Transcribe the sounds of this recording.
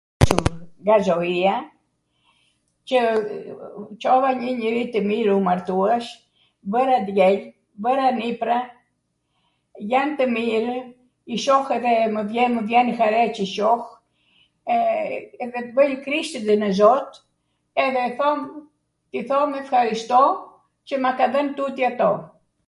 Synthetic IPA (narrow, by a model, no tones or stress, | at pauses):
t͡ʃəŋɡazɔia | t͡ʃə | t͡ʃɔvaɲəɲəɾit̪əmiɾumaɾt̪uɛʃ | bəɾad̪jɛl | bəɾanipɾa | jant̪əmiɾ | iʃɔxɛðɛməvjɛməvjɛnxaɾɛt͡ʃəʃɔh | ɛðɛt̪əbəjkɾiʃt̪əd̪ənəzɔt̪ | ɛðɛθɔm | t̪iθɔmɛfxaɾiʃt̪ɔ | t͡ʃəmakaðənt̪ut̪jiat̪ɔ